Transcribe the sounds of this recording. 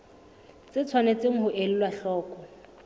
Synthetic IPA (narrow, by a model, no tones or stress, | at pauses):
t͡sɪt͡sʰwanet͡sɪŋ̩ɦʊʔel̩lwaɬɔːkɔ